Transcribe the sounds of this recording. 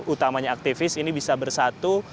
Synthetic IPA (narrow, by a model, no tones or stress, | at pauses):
ut̪amaɲaːk̚t̪ifɪsinibisabərsat̪u